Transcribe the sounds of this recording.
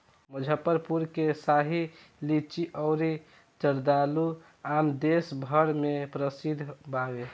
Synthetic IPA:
məd͡ʒʱəpəɾpuɾkesaɦi | lit͡ʃiʔɔʊɾi | t͡ʃəɾd̪alu | amd̪esbʱəɽmepɾəsid̪ʱbawe

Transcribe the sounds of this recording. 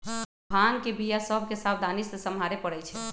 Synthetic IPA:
bʱankebʱijasəbʱkesabd̪ʱanisesəmɦaɾepəɽɛt͡ʃʰɛ

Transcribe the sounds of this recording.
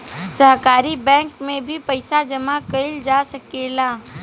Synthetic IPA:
sɐɦkaːɾibɛ̃ːŋkmẽbʱipɐɪsad͡ʒɐmakɐɪld͡ʒaːsɐkeːlaː

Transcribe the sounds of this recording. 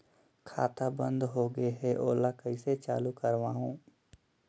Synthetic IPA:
kʰa̰ːt̪abə̃nd̪ɦoɡəeɦɛʔo̰ːlakəiset͡ʃa̰ːlukəɾʋãːɦõː

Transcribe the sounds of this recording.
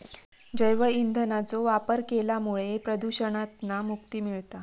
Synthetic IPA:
d͡ʑəjʋəind̪ʱənat͡soʋapəɾkelamuɭepɾəd̪uɕəɳ̃at̪namukt̪iːmiɭt̪a

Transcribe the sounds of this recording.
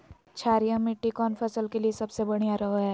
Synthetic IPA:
t͡ʃʰaːɾijãmɪʈːikɔːnfʰɐsəlkeliesɐbsebɐɽ̃ijaɾɐɦoɦɛː

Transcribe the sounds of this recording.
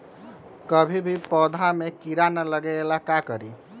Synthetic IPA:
kəbʱibʱipɔd̪ʱamekiɾanaləɡeelakakəɾi

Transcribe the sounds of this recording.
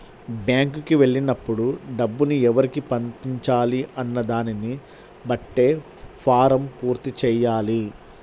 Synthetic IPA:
bjaːŋkukiʋe̞ɭːinɐpːuɽuɖɐbːuniɛʋɐɾikipɐnt̪iɲt͡ʃaːliʔɐnːɐd̪aːnini | bɐʈːe̞ː | pʰaːɾɐmpuːɾt̪it͡ʃɛːjaːli

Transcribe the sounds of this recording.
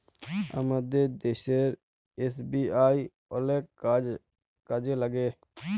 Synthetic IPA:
ə̰məd̪ed̪eʃeɾ | esbiːaːi | oleːk | kəd͡ʒeləɡeː

